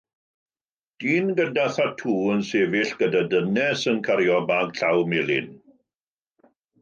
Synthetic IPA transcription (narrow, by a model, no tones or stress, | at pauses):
d̥iːnɡədaθatʰuːənseːvɪɬɡ̥ədadənɛsənkʰaɾjɔbaːɡɬawmelˠɪ̰n